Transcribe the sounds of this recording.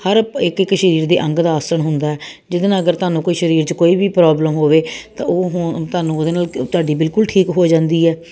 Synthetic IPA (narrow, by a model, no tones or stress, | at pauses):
həɾɪkːɪkːʃəɾiːɾd̪ḛːʔə̃ŋɡd̪aːəːsəɳɦʊnd̪aːɛː | d͡ʒɪd̪ənãːəɡəɾt̪ʊaːnũːkoːiːʃəɾiːɾt͡ʃəkoːiːbiːpɾaːbləmɦoːʋeːt̪ã̰ːʔːɦt̪ʊaːnũːod̪eːnaːlt̪ʊaːɖiːbɪlkʊlʈʰiːkɦoːd͡ʒãːnd̪iːɛː